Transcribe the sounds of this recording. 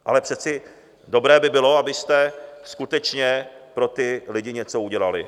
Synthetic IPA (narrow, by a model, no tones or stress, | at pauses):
ʔa̰lɛpr̝̥ɛt͡sɪ | do̞bɾɛːbɪbɪlo̞abɪst̪ɛskut̪ɛt͡ʃɲɛpɾo̞t̪ɪlɪɟɪɲɛt͡so̞uɟɛlalɪ̰